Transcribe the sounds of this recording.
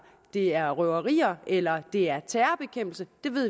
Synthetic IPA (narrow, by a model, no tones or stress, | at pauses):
d̥e̝æɐʁœʊɐʁḭːɐelɐd̥e̝æɐt͡sʰæːɐb̥e̝kʰem̰b̥l̩səd̥e̝ʋe̝ð̰ˠ